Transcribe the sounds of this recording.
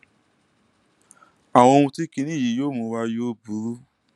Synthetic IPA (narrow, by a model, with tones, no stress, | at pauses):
a˨w̃ɔ̃˧o˧ũ˧ti˦kĩ˧nĩ˦˨ji˨˦joː˦mũ˧wa˧jo˦bu˨˦ɾu˦